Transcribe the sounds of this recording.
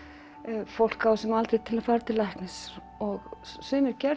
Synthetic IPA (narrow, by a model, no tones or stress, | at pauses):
fowl̥kawsɛmalt̪ɾet̪ʰɪlaðfaːɾat̪ʰɪlajhknɪs | ɔɣsʏːmɪɾcɛɾ